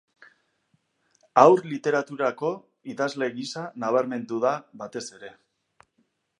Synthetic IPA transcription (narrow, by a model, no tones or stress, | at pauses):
awɾlit̪e̞ɾat̪uɾako̞ | iðazle̞ɣisanaβ̞aɾme̞nd̪uðaβat̪e̞se̞ɾe̞